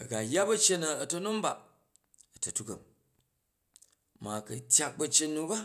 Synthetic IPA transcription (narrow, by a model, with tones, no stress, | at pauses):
ɐ˨ɡa˨ja˦bɐ˦t͡ʃe˦nɐ˨ɐ˨tɐ˦nu˦m˦ba˨ | ɐ˨tɐ˨tu˦kɐ˨m | ma˨kɐ˨tʲja˦k̚bɐ˧t͡ʃe˧nːu˧ba˦